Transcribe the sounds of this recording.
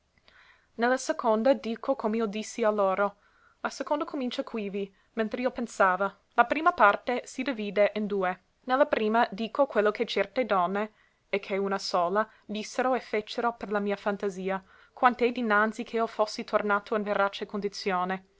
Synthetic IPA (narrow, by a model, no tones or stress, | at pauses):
nelːasekʰond̪ad̪iːkʰokʰomeod̪isːialːoːɾo | lasekond̪okʰomint͡ʃakʰwivi | mẽnt̪ɾeiopensaːva | lapɾiːmapart̪esid̪iviːd̪eʔind̪uːe | nelːapɾiːmad̪iːkokwelːokʰet͡ʃɛrt̪ed̪ɔnːe | ɛkʰːeunasoːla | d̪isːeɾoefet͡ʃːeɾoperlamiːafant̪aziːa | kwant̪ɛd̪inːant̪sikʰeɔfosːit̪ʰornaːt̪oinveɾat͡ʃekond̪it̪sjoːne